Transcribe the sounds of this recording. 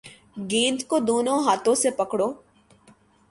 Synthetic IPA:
ɡẽːnd̪kod̪oːnõɦaːt̪õsepɐkɽoː

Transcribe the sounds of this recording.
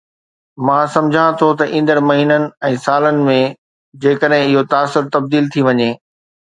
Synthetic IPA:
mãːsɐ̃md͡ʑʱãt̪ʰot̪ɐʔĩːnd̪əɾmɐɦiːnənɪ̆ɛ̃ːsaːlənɪ̆mẽ | d͡ʑeːkəɗɦɪ̃ɪɦot̪aːsːʊɾt̪ɐb̚d̪iːlt̪ʰiʋɐɲeː

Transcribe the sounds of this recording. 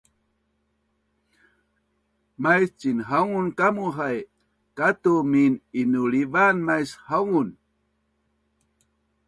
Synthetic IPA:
majst͡ɕinɦauŋunkamuɦaj | kat̪umininuɭivanmajshaŋun

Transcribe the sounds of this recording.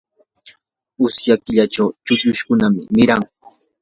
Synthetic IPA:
ʊsjakɪʎat͡ʃawt͡ʃʊʎʊʃkʊnamɪ̰nɪɾaŋ

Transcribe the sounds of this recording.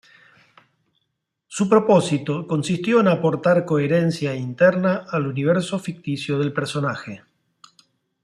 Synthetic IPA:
supɾo̞po̞sit̪o̞ko̞nsist̪jo̞enapo̞ɾt̪aɾko̞eɾensjaint̪ɛɾnaːluniβ̞eɾso̞fik̚t̪isjoð̞elpeɾso̞naxe

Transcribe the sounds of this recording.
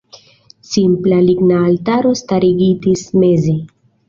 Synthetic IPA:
simplaliɡnaːltaɾo̞staɾiɡitisme̞ze̞

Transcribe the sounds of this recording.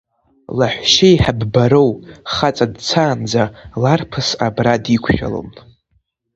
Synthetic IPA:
laħʷʃejħabbaɾowχat͡sʼadt͡sʰaːnd͡zalarpʰɨsabradikʷʰʃᶣa̰lo̰m

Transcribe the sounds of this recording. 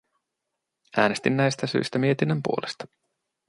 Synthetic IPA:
ʔæːne̞st̪innæjst̪æsy̰jst̪æmie̞t̪inːømpṵo̞lest̪ɑ̥

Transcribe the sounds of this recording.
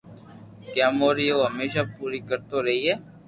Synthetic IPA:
kjãːmoːɾiːoːɦəmeːʃaːpuːɾiːkəɾt̪oːɾəɦiːɦɛː

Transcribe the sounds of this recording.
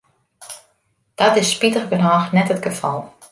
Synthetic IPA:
d̥ɔtɪsːpitəɣbənaːxnɛtətɡ̥əfɔlˠ

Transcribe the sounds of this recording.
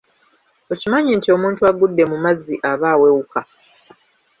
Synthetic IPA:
o̞cimaɲintio̞muːntuaɡudːe̞mumazːiʔaβaːwe̞wuka

